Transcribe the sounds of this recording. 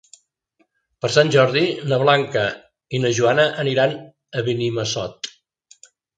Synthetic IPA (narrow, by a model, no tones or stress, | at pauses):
pəɾsanʲʒɔɾðinəβlaŋkə | inəʒuanəʔəniɾan | əβiniməsɔt̪̚